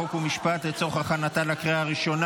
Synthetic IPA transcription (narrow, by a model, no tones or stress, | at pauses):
okumiʃpat̪let͡so̞χhaχanat̪alakʁeaːʁiʃo̞n